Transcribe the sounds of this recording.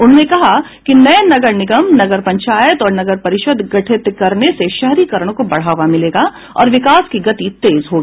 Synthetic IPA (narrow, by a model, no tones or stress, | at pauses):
ʊn̤ɦnekɐɦa | kinɐjnɐɡəɾnɪɡəmnɐɡəɾpɐ̃ɲt͡ʃaːjət̪ɔːɾnɐɡəɾpɐɾɪʃəd̪ɡɐʈʰɪt̪kɐɾneseʃɛɦɾikɐɾəɽ̃kobɐɽ̤aːʋamɪleːɡa | ɔ̰ːɾʋɪkaːskiɡɐt̪it̪eːzɦoːɡiiː